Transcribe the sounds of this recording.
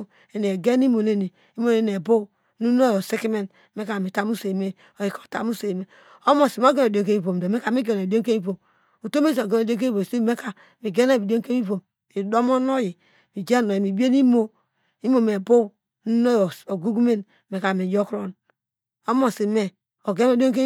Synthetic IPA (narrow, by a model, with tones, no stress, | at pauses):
e˨ni˨e˨ɡe˦n˦i˦mo˨ne˦ni˨ | i˦mo˨ne˨n˨e˨bo˦ | nu˦no˦jo˨si˦ki˦me˦n˨me˦ka˨mi˨ta˦mu˦se˨me˦ | o˨ji˨ko̥˨ta̰˦mu˦se˨me˨ | o˦mo˨si˨m˦o˦ɡe˦o˨do˨ŋ˨ke˦mi˦bo˨m˨do˨me˦ka˨mi˦ɡe˨no˨i˨do˦ŋke˦mi˦bo˨m | u˨to˦me˦so˨ɡe˨no˨do˦k̬e˦i˦bo˨se˦˨me˦ka˨ | mi˨ɡe˦na˦˨bi˨do˦ŋke˦mi˦bo˨m | i˨do˦mo˦no˦ji˨ | mi˨d͡ʒe˦no˨ji˨mi˨bi˦e˦ni˦mo˦ | i˦mo˨me˨bo˦ | nu˦no˦˨o˨ɡu˦ɡu˦me˦n | me˨ka˨mi˨jo˦kɾo˦n | o˦mo˨si˨me˨ | o˨ɡe˦mo˦do˦ke˦